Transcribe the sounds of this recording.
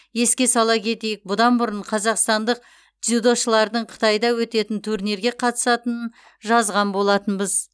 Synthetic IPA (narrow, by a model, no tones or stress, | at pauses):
je̞skʲe̞sɑlˠɑkʲʰe̞t̪ejɪk̚bʊd̪ɑnbʊɾəɴqʰɑzɑqst̪ɑnd̪əq̚ | t̪ʲud̪o̞ʃəlˠɑɾd̪əɴqʰə̥t̪ɑjd̪ɑwɵt̪e̞t̪ɪnt̪ʰuɾneɾɡʲe̞qʰɑt̪ə̥sɑt̪ən | ʒɑzʁɑnbo̞lˠɑt̪ənbəz